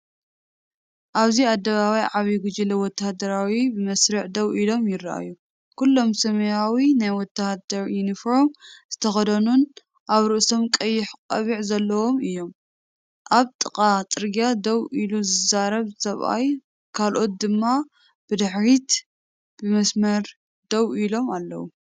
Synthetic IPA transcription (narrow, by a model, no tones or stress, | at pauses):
ʔaβziad̪ːɐβaβajʕaβiɡud͡ʒilɐwɔt̪ʰːahd̪ɐɾawibɨmɐsɾiʕd̪ɐwilo̞mjɪɾaʔa̰ju | kulːo̞msɐmɐjawinajwɔt̪ʰːahd̪ɐɾjunifo̞ɾmz̥ɨt̪ʰɐxɐd̪ɐnun | ʔaβɾɨʔso̞mkʼɐjːɪħkʼɐβiʕzɐlːɐwo̞mɨjːo̞m | ʔaβt̪ʼɨkʼat̪ʼɨɾɡijad̪ɐwiluzɨzaɾɐβsɐβʔa̰j | kʰalʔo̞t̪̚d̪ɨmːa | b̥ɨd̪ɨħɾit̪ | b̥ɨmɐsmɐɾ | d̪ɐwilo̞malːɐ̰wu